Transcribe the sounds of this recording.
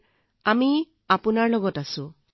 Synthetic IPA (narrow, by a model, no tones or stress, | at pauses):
ami | apunaɹlɔɡɔtasʊ̃